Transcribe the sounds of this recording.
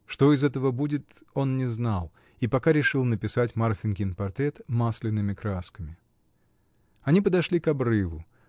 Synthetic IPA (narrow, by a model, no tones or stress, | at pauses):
ʂt̪o̞ɪzɛt̪əvəbudʲɪt̪o̞nnʲɪznalˠ | ipɐkaɾʲɪʂɨlˠnəpʲɪsatʲmarfʲɪnkʲɪnpɐrt̪ɾʲe̞t̪maslʲɪnːɨmʲɪkɾaskəmʲɪ | ɐnʲipəd̪ɐʂlʲikɐbrɨvʊ